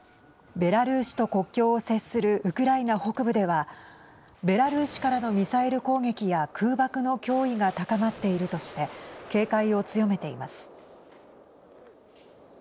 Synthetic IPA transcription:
be̞ɾaɾɯ̟ːɕi̥t̪o̞ko̞kʲːo̞ːse̞sɨɾɯ̟ʔɯ̟kɯ̟ɾainaho̞kɯ̟bɯ̟d̪e̞βa | be̞ɾaɾɯ̟ːɕi̥kaɾano̞mʲisaeɾɯ̟ko̞ːŋe̞kʲijakʰɯːbakɯ̟no̞kʲo̞ːiɡat̪akamat̪ːe̞iɾɯ̟t̪o̞ɕi̥t̪e̞ke̞ːkaio̞t͡sɨjo̞me̞t̪e̞imasɨ̥

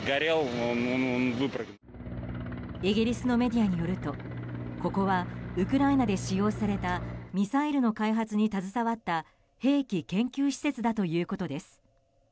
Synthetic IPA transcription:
ɡaɾiannnbɯpɾak | eɡʲiɾʲisɨno̞me̞d̪ʲijaɲ̟ijo̞ɾɯ̟t̪o̞ko̞ko̞βaɯ̟kɯ̟ɾainad̪e̞ɕijo̞ːsaɾe̞t̪amʲisaiɾɯ̟no̞kaiɦat͡sɨɲ̟it̪azɨsaβat̪ːa | he̞ːkʲikẽ̞ŋkʲɨːɕi̥se̞t͡sɨd̪at̪o̞jɯ̟ːko̞t̪o̞d̪e̞sɨ̥

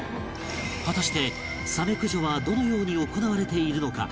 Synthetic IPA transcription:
ɸat̪aɕi̥t̪e̞ | same̞kɯ̟ʑo̞βad̪o̞no̞jo̞ːɲ̟io̞ko̞naβaɾe̞t̪e̞iɾɯ̟no̞ka̰

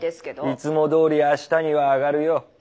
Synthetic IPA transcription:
it͡sɨmo̞d̪o̞ːɾʲiaɕi̥t̪aɲ̟iβaːɡaɾɯ̟jo

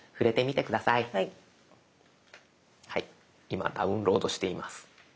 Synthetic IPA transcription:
ɸɯ̟ɾe̞t̪e̞mʲit̪e̞kɯ̟d̪asai | hai | ima̰d̪aɯ̟̃nɾo̞ːd̪o̞ɕi̥t̪e̞imasɨ̥

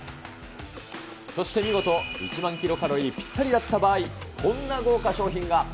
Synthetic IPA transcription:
so̞ɕi̥t̪e̞mʲiɡo̞t̪o̞ḭt͡ɕimãŋkʲiɾo̞kaɾo̞ipʲi̥t̪ːaɾʲid̪at̪ːabaːikʰõ̞nːaɡo̞ːkaɕo̞ːçĩŋɡa

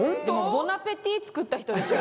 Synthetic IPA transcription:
d̪emobonapet̪ʲːiːt͡sɨ̥kɯ̟t̪ːaçi̥t̪oeɕi

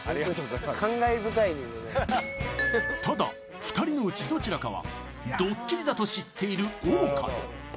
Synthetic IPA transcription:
aɾaokʰãŋɡaebɯ̟kainiene | t̪ad̪a̰ | ɸɯ̟̥t̪aɾʲino̞ɯ̟t͡ɕid̪o̞t͡ɕiɾakaβa̰ | d̪o̞kʲːiɾʲid̪at̪o̞ɕit̪ʰːe̞iɾɯ̟oːka̰

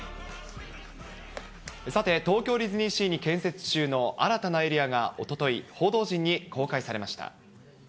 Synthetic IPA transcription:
sat̪e̞t̪o̞ːkʲo̞ːɾʲizɨɲ̟ĩɕiːɲ̟ikẽ̞ɰ̃se̞t͡sɨ̥t͡ɕɨːno̞ʔa̰ɾat̪anae̞ɾʲiaɡao̞t̪o̞t̪o̞iho̞ːd̪o̞ːʑĩɲ̟ːiko̞ːkaisaɾe̞maɕi̥t̪a̰

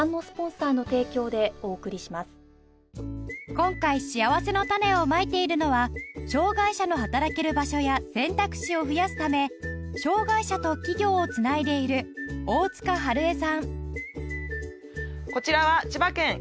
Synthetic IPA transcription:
nːo̞sɨ̥põ̞ɰ̃saːno̞t̪e̞ːkʲo̞ːd̪e̞o̞ːkɯ̟ɾʲiɕimasɨ̥ | kõ̞ŋkaiɕiaβase̞no̞t̪ane̞o̞mait̪e̞iɾɯ̟no̞βaɕo̞ːɡaiɕano̞ɦat̪aɾake̞ɾɯ̟baɕo̞jasẽ̞nt̪akɯ̟̥ɕio̞ɸɯ̟jasɨ̥t̪ame̞ɕo̞ːɡaiɕat̪o̞kʲiɡʲo̞ːt͡sɨnaid̪e̞iɾɯ̟o̞ːt͡sɨ̥kaɦaɾɯ̟e̞sãŋ | ko̞t͡ɕiɾaβat͡ɕibakẽ̞ŋ

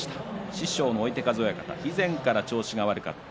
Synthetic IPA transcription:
i̥t̪ḁɕiɕo̞ːnoːit̪e̞kazo̞ːjakat̪a̰izẽ̞ŋkaɾat͡ɕo̞ːɕiɡaβaɾɯ̟ka̰t̪ː

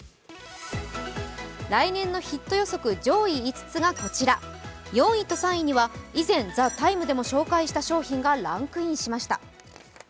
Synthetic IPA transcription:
ɾainẽ̞nːo̞çit̪ːo̞jo̞so̞kɯ̟d͡ʑo̞ːiːt͡sɨ̥t͡sɨɡako̞t͡ɕiɾajõ̞ɰ̃ĩt̪o̞sãɰ̃iɲ̟iβaizẽ̞nd͡zat̪aimɯ̟d̪e̞mo̞ɕo̞ːkaiɕi̥t̪aɕo̞ːçĩŋɡaɾãŋkɯ̟ĩɰ̃ɕimaɕi̥t̪a̰

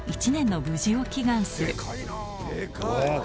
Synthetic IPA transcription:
it͡ɕinẽ̞nːo̞bɯ̟ʑio̞kʲiɡãɰ̃sɨɾɯ̟

